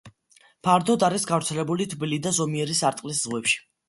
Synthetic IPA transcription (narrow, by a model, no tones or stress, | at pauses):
pʰaɾd̪ɔd̪aɾisɡavɾt̪sʰɛlɛbulit̪ʰbilid̪azɔmiɛɾisaɾt̪ʼqʼliszʁwɛpʃi̥